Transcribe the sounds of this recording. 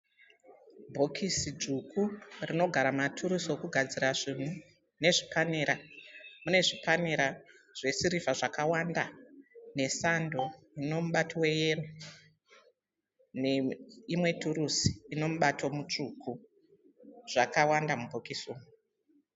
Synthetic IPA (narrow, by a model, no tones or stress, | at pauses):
bʱo̞kʰisid͡ʒukʰurino̞ɡʱaɾamatʰuɾusokuɡʱad͡ziɾaʐin̤u | ne̞ʐipaneɾamune̞ʐipaneɾa | ʐ̥e̞siɾifaʐakawandane̞sando̞ | ino̞muɓatʰiwe̞jero | neimwe̞tʰuɾusi̥ino̞muɓatʰo̞mut͡ʂukʰu | ʐ̥akawandamubʱokisuːmu